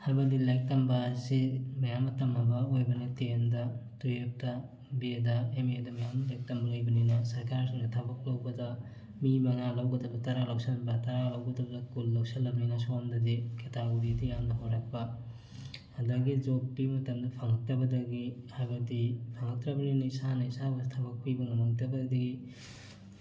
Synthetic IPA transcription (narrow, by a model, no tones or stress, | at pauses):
hajbɐdilajk̚tɐmbɐsimɐjamːɐtɐmhɐbɐojbɐnɐtendɐtujep̚tɐ | bedɐemedɐmɐjamlejk̚tɐmbɐlɐjbɐninɐsɐɾkaɾsiŋdɐtʰɐbɐk̚lɐwbɐdɐ | mimɐŋalɐwɡɐdɐbdɐtɐɾalɐwsɐlbɐtɐɾalɐwɡɐdɐbɐdɐkulːɐwsɐlːɐbɐninɐsondɐdiketaɡoɾidijandɐɦoɾak̚pɐ | ɐdɐɡid͡ʒopːimɐtɐmdɐpʰɐŋɐk̚tɾɐbɐdɐɡihajbɐdipʰaŋɐk̚tɾɐbɐninɐisanɐisabɐsitʰɐbɐk̚pibɐmɐmɐŋtɐbɐdɐɡi